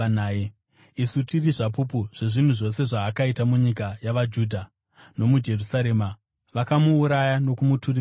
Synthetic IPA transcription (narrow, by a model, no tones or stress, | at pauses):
nae | isutiriʐapup̬uʐ̥e̞ʐin̤uʐo̞se̞ʐaːkaitamuɲikajaʋad͡ʒuːdʱa | no̞mud͡ʒe̞rusaɾe̞ːma | ʋakamuːɾajano̞kumuturi